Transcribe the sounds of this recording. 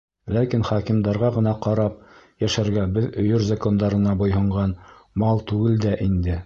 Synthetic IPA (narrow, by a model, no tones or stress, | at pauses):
lækinχɑkimd̪ɑɾʁɑʁɤ̆nɑqɑɾɑp̚jæʃæɾɡæbɘðɵ̆jɵɾzako̞nd̪ɑɾɤ̆nɑbŏjɦɤ̆ɴʁɑnmɑlˠt̪ʉɡɘld̪æʔind̪ɘ